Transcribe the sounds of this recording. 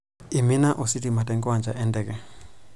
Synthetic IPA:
i˨mi˦na˦ʔɔ˨si˦ti˨ma˨tɛ˦ŋɡɔ˦a˨nd͡ʒa˨ʔɛ˦ndɛ˨kɛ˨

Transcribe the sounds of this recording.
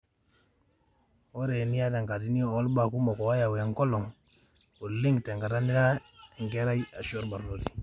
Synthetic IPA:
o˦ɾe˨ni˦ja˦ta˨ŋka˨ti˦ni˦o˨o˦lba˨ku˦mo˨ko˨wa˦ja˨wa˨ŋko˦lo˨ŋ | u˨li˦ŋɡte˨ŋɡa˨ta˦ni˦ɾa˦i˨ŋke˦ɾa˦ja˨ʃo˦ɾba˨ɾlo˨ti˨

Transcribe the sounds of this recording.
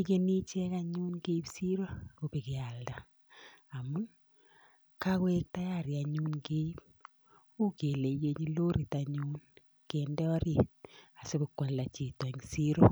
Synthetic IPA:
i˦ke˦ni˦t͡ʃɛ˦ka˦ɲu˦nɡe˦i˦psi˦ɾo˦ko˨pe˨ki˨a˨ldaː˨ | mʊ˦n | ka˦kwe˦k̚ta˦ja˦˨ɾja˨ɲu˦nke˦i˦p̚ | u˦ke˨le˨je˦ɲi˦lo˦ɾi˨ta˨ɲu˦n | ke˨ndɛ˦ɔ˦ɾi˨na˨se˦be˨kwa˨lla˨t͡ʃi˨tɔ˨ɲsi˦ɾo˦

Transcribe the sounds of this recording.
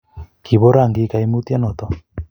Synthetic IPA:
ki˨βo˦ɾaŋɡi˦ka˨jmut̪i˦a˦not̪ɔ˨

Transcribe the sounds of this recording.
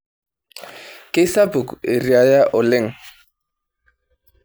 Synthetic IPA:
kʼe˦sa˦bu˨ke˨ɾi˨a˨ja˦ʔɔ˨lɛ˦˨ŋ˨

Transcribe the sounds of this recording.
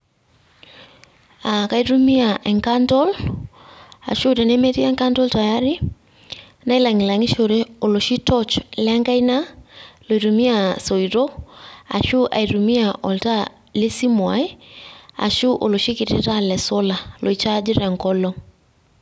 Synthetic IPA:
a˨ka˨i˦ɾu˦mi˦a˨ʔɛ˨ŋka˦ntɔ˦l | a̰˨ʃu˦ɾɛ˨ne˦me˦ti˦a˦ŋka˦ntɔ˦lta˨ja˦ɾi˦ | na˦i˦la˨ŋi˨la˨ŋi˦ʃo˨ɾe˦o˨lo˨ʃi˦tɔ˦t͡ʃlɛ˦ŋɡa˦i˦na˦lo˨i˨ɾu˨mi˦a˨so˨iɾo˦a̰˨ʃu˦ʔa̰˨i˨ɾu˨mi˦a˨ʔɔ˨lta˦ | le˦si˦mwa̰˨e˦a̰˨ʃu˦ʔo̰˨lo˨ʃi˦ki˨ɾḛ˨ɾa˦lɛ˨so˦la˨lʔo˨i˨t͡ʃa˦d͡ʒi˦ɾɛ˨ŋkɔ˦lɔ˦

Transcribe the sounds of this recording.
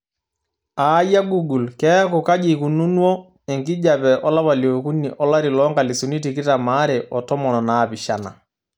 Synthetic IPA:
a˨˦ja˦ɡu˦ɡu˨lkɛ˦kɔ˨ka˦d͡ʒi˨ku˨nu˦nwɔ˦ | ɛ˨ŋɡi˦d͡ʒa˨pɛ˨ʔɔ˦la˦pa˨ljo˨ku˦ni˨ʔɔ˦la˦ɾi˨lɔ˦ŋɡa˨li˨su˨ni˦ti˨kɪ˦ta˨ma˦ɾɛ˨ʔɔ˨tɔ˦mɔ˨nɔ˨na˨pi˨ʃa˨na̰˨

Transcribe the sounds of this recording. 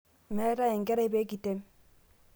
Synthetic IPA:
mɛ˨˦ta˦jɛ˨ŋɡɛ˦ɾe˦be˦ɡi˨te˦m

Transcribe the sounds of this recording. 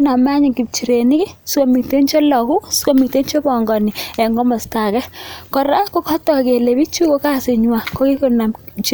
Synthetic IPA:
na˨ma˦ɲi˨ki˨p̚t͡ʃi˨ɾe˨ni˦ki˦sko˨mi˨te˦nt͡ʃɔ˦lɔ˨ku˦sko˦mi˨te˦nt͡ʃɔ˦bɔ˨ŋɡɔ˨ni˨ɛ˨ŋɡɔ˦mɔ˨sta˨kɛ˦kɔ˨ɾa˦ko˦kɔ˦tɔ˨ke˨le˨bi˦t͡ʃu˦ko˦ka˦se˨ɲwa˨ko˦ki˦kona˨mt͡ʃi

